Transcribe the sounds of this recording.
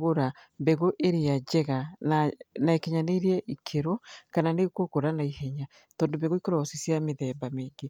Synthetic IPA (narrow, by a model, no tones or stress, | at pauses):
ɣoɾa | mbɛɣoʔeɾead͡ʒɛɣananaekeɲaneiɾiɛʔikʰeɾɔkananekokoɾanaihɛɲa | t̪ɔːndobɛɣoikoɾɔsisjameðɛbameːŋɡe